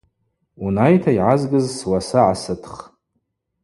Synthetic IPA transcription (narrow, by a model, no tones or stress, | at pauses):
unajtʰaiʕazɡɨzswasaʕasɨtʰχ